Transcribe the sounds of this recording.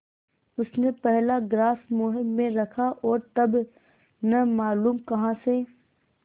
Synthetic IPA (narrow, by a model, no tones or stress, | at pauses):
ʊsnepɛɦlaɡɾaːsmoːɦɪmːẽɾɐkʰaʔɔːɾt̪ɐb | nɐmaːluːmkɐɦãse